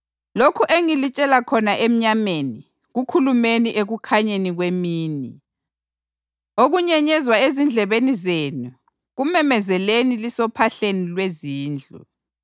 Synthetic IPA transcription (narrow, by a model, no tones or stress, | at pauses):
lokʰuʔeŋilit͡ʃʼɛlakʰɔnaʔem̩ɲameni | ɣukʰulumeniʔeɣukʰaɲeniɣwemiːni | oɣuɲɛɲɛzwaezind͡ɮʱɛβenizenu | ɣumɛmɛzɛlenilisɔpʰaɬenilweziːnd͡ɮʱṵ